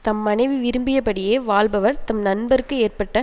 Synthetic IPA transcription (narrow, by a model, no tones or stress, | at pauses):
t̪ɐmːɐnɐɪʋiʋɪɾɯmbɪjɐpɐɽɪjeːʋaːɭbɐʋɐɾt̪ɐmnɐnbɐɾɯkːɯeːrpɐʈːɐ